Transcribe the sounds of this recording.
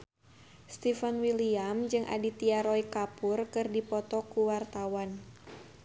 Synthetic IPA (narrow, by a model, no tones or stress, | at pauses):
st̪ifanwiliamd͡ʒɨŋʔa̰dit̪iaɾɔikapʊrkɨrdipɔt̪ɔkuwart̪awan